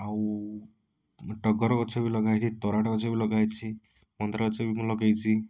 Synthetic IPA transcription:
aw | ʈɔɡɔɾɔkɔt͡ʃʰɔbilɔɡajt͡ʃʰit̪ɔɾaʈɔkɔt͡ʃʰɔbilɔɡajt͡ʃʰi | mɔnt̪ɾakɔt͡ʃʰɔbimũlɔɡajt͡ʃʰi

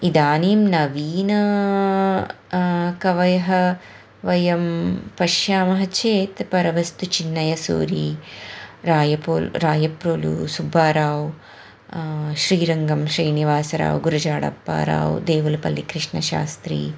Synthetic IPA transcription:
id̪aːniːmnɐʋiːnɐ | kɐʋɐjɐɦɐ | ʋɐjɐmpɐʃjaːmɐɦɐt͡ʃeːt̪pɐɾɐʋɐst̪ut͡ʃinːɐjɐsṵːɾiː | ɾaːjɐpoːlɾaːjɐpɾoːlṵsubʱaːɾaːʋ | ʃɾiːɾɐŋɡɐmʃɾiːniʋaːsɐɾa̰ːʋɡuɾɐd͡ʒaːɽɐ̰pːa̰ːɾa̰ːʋd̪eːʋulɐpɐlːikɾɪʂɳɐʃa̰ːst̪ɾḭː

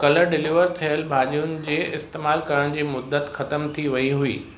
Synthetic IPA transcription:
kɐləɾɖɪliʋəɾt̪ʰijəlbʱaːʄijʊnɪ̆d͡ʑeːɪst̪eːmaːlkɐɾəɽ̃d͡ʑiːmʊd̪ːət̪xɐt̪əmt̪ʰiʋɐiɦuiː

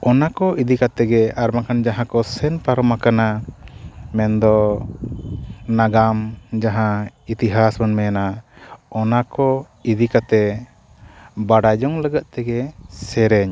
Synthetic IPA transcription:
ɔnakɔʔid̪ikat̪ɛɡɛaɾmakand͡ʒaɦãkɔsɛnpaɾɔmakana | mɛnd̪ɔ | naɡamd͡ʒaɦãit̪iɦasbanmɛnaɔnakɔ | id̪ikat̪ɛ | baɖad͡ʒɔŋləɡaʔ̪̚t̪ɛɡɛsɛɾɛɲ

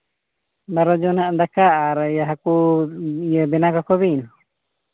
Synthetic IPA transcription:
baɾɔd͡ʒɔnaʔd̪akaʔːɾjaɦakuijəbɛnakɔkɔbin

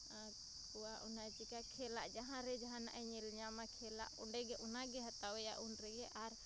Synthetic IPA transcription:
a | kuwaʔunajt͡ʃikakʰɛlaʔd͡ʒaɦãɾɛd͡ʒaɦãna̰ʔɛɲɛlɲamakʰɛla̰ʔṵɳɖɛɡɛʔɔnaɡɛɦat̪awɛja̰ʔunɾɛɡɛʔaɾ

